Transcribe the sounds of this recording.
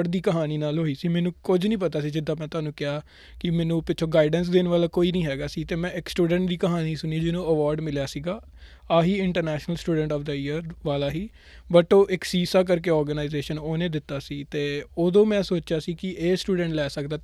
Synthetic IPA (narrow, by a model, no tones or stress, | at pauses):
ɖd̪iːkəɦaːniːnaːlɦoːiːsiːmɛ̃ːnũːkʊd͡ʒnĩːpət̪aːsiːd͡ʒɪd̪ːãːmɛ̃ːt̪ʊaːnũːkɪaː | kɪmɛ̃ːnũːpɪtːt͡ʃʰõːɡaːɪɖəns̬d̪ɪnʋaːlaːkoːiːnĩːɦɛːɡaːsiːt̪eːmɛ̃ːɪksʈuːɖə̃ɳʈ̚d̪iːkəɦaːniːsʊniːd͡ʒɪnõːəʋɔːɾɖmɪljaːsiːɡaː | aːɦiːɪɳʈəɾnɛːʃnəlsʈuːɖə̃ɳʈɔːfd̪əɪːəɾʋaːlaːɦiː | bəʈoːʔɪksiːsaːk̬əɾk̬eːɔːɾɡənaːɪzeːʃənoːnẽːd̪ɪt̪ːaːsiːt̪eːoːd̪õːmɛ̃ːsoːt͡ʃjaːsiːkɪʔeːsʈuːɖə̃ɳʈlɛːsəkd̪aː